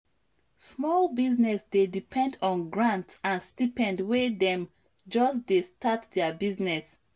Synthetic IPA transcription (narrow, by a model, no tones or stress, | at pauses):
smɔlbiznɛsdedipʰɛ̃ndɔ̃nɡɹãntãnstipɛ̃ndwedɛ̃m | d͡ʒɔsdestatdɛbiznɛs